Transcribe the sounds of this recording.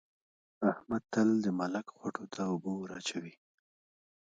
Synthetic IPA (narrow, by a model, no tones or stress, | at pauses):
ahmad̪̚t̪əld̪əmalakxwaʈʰot̪ʰaʊbowaɾa̰t͡ʃawi